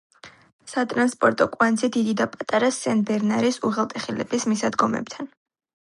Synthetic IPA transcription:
sat̪ʼɾanspʼɔɾt̪ʼɔkʼwanzɛd̪id̪id̪apʼat̪ʼaɾasɛnbɛɾnaɾisuʁɛlˠt̪ʼɛχilɛ̰bismisad̪ɡɔmɛ̰b̥̚t̪ʰan

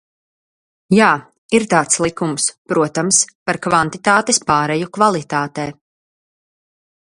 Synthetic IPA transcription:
jaː | iɾt̪aːt̪slˠikumspɾuɔt̪amspaɾkvant̪it̪aːt̪espaːɾɛjukvalˠit̪aːt̪ɛː

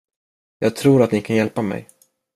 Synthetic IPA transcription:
jɑːɡ̚t̪ʰɾuːɾat̪nɪkʰanjɛlpamɛ̰j

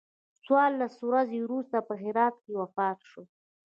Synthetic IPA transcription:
t͡swɑɾlaswɾazewɾust̪apəɦɪɾɑt̪̚kewafɑt̪ʃo

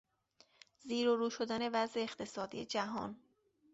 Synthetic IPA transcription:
ziːɾoɾuːʃo̞d̪æne̞væzeːxt̪ʰe̞sɒːd̪ḭːed͡ʒæɦɒ̰ːn

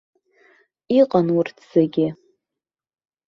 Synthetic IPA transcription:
iqʼanwʊrtʰz̥aɡʲɪ

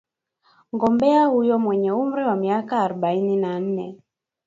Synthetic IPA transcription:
ŋɡɔmbɛahujɔmwɛɲɛum̩ɾiwamiakaːɾɔɓaininan̩nɛ

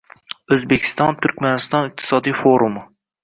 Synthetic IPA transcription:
ɵzbekʲʰɪ̥st̪ɒnt̪ʰʊɾkʲmanɪst̪ɒnɪq̚t̪ʰɪ̥sɒd̪ijfoɾum

